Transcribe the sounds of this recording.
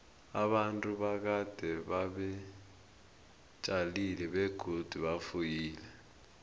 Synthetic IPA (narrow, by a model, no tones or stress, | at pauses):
aɓantʼuɓak̬ad̥ʱɛɓaɓɛ | t͡ʃʼalilɛɓɛɡ̥ʱod̥ʱuɓafujiːlɛ